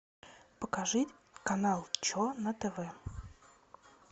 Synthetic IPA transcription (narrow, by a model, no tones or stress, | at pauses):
pəkɐʐɨtʲkɐnalˠt͡ɕonət̪ɛvɛ